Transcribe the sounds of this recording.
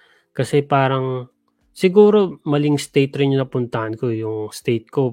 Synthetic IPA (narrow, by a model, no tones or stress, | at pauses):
kɐsɛpaːɾɐŋ | sɪɡuːɾo̞mɐlɪŋst̪ejt̪ɾɪnɲʊnɐpʊnt̪ɐhɐnko̞jʊŋst̪ejt̪̚ko̞